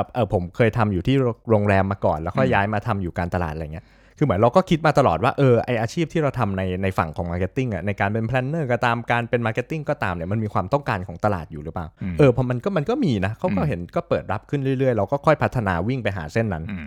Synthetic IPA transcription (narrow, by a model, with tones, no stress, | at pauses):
p̚ʔɤː˧˩pʰo˩˦mkʰɤː˧jt̪ʰa˧mjuː˨˩t̪ʰiː˥˩˧ɾoː˧ŋɾɛː˧mːaː˧kɔ̰ː˨˩nlɛː˦˥wkʰɔ˥˩jːaː˦˥jmaː˧t̪ʰa˧mjuː˨˩kaː˧nt̪a˧la̰ː˨˩ʔŋ˩˦˥ | kʰɯː˧mɯ˩˦nɾa˧wkɔː˥˩kʰi˦˥t̪̚maː˧t̪a˧lɔ̰ː˨˩t̪̚waː˥˩ʔɤː˧ʔa˧jʔaː˧t͡ɕʰiː˥˩p̚t̪ʰiː˥˩ɾa˧wt̪ʰa˧mna˧jna˧jfa̰˨˩ŋkʰɔː˩˦ŋmaː˧ke˦˥t̪ːi˥˩ŋʔa̰˨˩na˧jkaː˧npe˧npʰlɛ˦˥nːɤː˥˩ka˧˩t̪aː˧mkaː˧npe˧nmaː˧ke˦˥t̪ːi˥˩ŋkɔː˥˩t̪aː˧mni˥˩ɐma˧nmiː˧kʰwaː˧mt̪ɔ˥˩ŋkaː˧nkʰɔː˩˦ŋt̪a˧la̰ː˨˩t̪̚juː˨ɾɯ˦˥paː˨˩wʔɤː˧pʰɔ˧˥ma˧nkɔ˥˩ma˧nkɔː˥˩miː˧na˦˥kʰa˨˥wkɔː˥˩ɦe˩˦nkɔː˥˩pɤː˨˩t̪̚ɾa˦˥p̚kʰɯ˥˩nɾɯ˥˩jɾɯ˥˩əjɾa˧wkɔː˥˩kʰɔ˥˩jpʰt̪ʰːa˧naː˧wi˥˩ŋpa˧jɦa̰ː˩˦se˥˩nːa˦˥n